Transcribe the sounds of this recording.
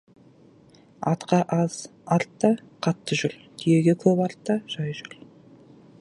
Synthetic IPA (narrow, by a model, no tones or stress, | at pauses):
ɑ̰t̪qɑʔɑz̥ɑɾt̪ːɑqʰɑt̪ːəʒʏɾt̪ʰʏjeɡʲekʲʰɵbɑɾt̪ːɑʒ̥ɑjʒʏɾ